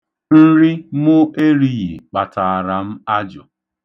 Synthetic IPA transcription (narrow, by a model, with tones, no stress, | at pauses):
n̩˦ɾɪ˦mʊ˦ʔe˦ɾi˦ji˨k͡pa˨ta˨a˨ɾa˨m̩˦a˦d͡ʒɔ˨